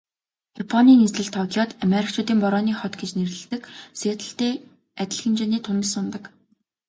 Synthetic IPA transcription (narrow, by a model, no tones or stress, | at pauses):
japʰɔniːnisɮɘ̆ɬt̪ʰɔkʰʲjɔt̪ameɾʲik̚t͡ɕʰʊːt̪iːmpɔɾɔːniːχɔt̪ɡet͡ɕneɾɘ̆ɮt̪ɘ̆kseːt̪ʰə̆ɬt̪eː | æt̪ʲɪ̆ɮxɘ̆mt͡ɕeniːt̪ʰʊnə̆sʊnt̪ə̆k